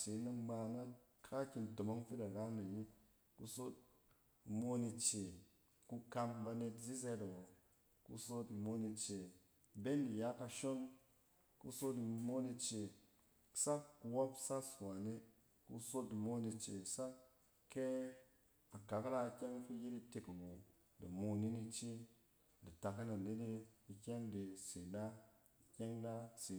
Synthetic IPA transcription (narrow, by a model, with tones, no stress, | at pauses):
t͡ʃe˨˦na˦ma˧na˦n | kʰa˦kʲi˧nto˨mo˦ŋfi˦da˨ɾa˦na˨ji˦ | ku˧so˦t̚ | mo˦ni˧t͡ʃe˨ | ku˧ka˧mba˧ne˧tzi˦s̬e˧da˨wo˨ | ku˦so˦ti˨mo˧ni˧t͡ʃe˨ | be˦ndi˨ja˦ka˧ʃo˦n | kṵ˧so˦ti˨mo˦ni˧t͡ʃe̥˨ | sa˦kku˨wo˦psa˦swa˨ne˦ | kṵ˦so˦di˨mo˦ni˧t͡ʃe˨sa˦ | ke˦ | a˨ka˨kla˦˧kʲe˦ŋ˦fi˦ji˦di˦˧te˨kɡu˨ | di˨mo˧ni˦ni˧t͡ʃi˦ | di˨ta˨ki˦na˨ne˦di˦i˨kʲe˦ŋde˨si˨da˦ | i˨kʲe˦ŋda˦si˨